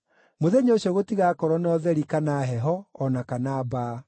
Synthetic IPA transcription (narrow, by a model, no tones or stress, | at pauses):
moðeɲoːɕjɔɣotiɣakɔɾɔnɔðɛɾikanaɦɛɦɔːnakanaːbaː